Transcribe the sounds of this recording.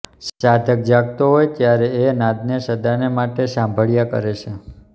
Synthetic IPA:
sad̪ʱək̚d͡ʒaɡt̪oɦojt̪jaɾeenãd̪neʃəd̪anemaʈesãmbʱəɭjakə̰ɾet͡ʃʰe

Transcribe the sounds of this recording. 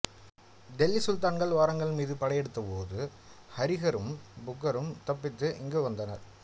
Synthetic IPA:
ɖɛlːisʊlt̪aːnɡɐɭʋaːɾɐŋɡɐɭmiːðɯpɐɽɐjɛɽɯt̪ːɐpoːðɯ | hɐɾɪɣɐɾɯmbʊkːɐɾɯmt̪ɐpːɪt̪ːɯʔɪŋɡeʋɐnd̪ɐnɐ̰ɾ

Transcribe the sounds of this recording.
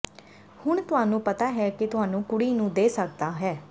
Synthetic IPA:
hʊɳt̪ʊɦaːnũːpət̪aːɦɛːkɪt̪ʊɦaːnũːkʊɽiːnũːd̪eːsək̚d̪aːɦɛː

